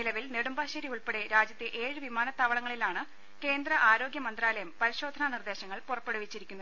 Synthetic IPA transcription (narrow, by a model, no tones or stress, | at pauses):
nilɐʋilneɽumbaːɕɐɾiuɭpeɽe̞ɾaːd͡ʑjɐt̪ːɨʔe̞ːɻɨʋimaːnɐt̪ːaːʋɐɭɐŋːɐɭilaːɳɨ | ke̞ːnd̪rɐʔaːɾo̞ːɡʲjɐmɐnd̪raːlɐjɐmpɐɾiɕo̞ːd̪ʱɐnanird̪e̞ːɕɐŋːɐɭpurɐpːeɽuʋit͡ɕːiɾikʲunːu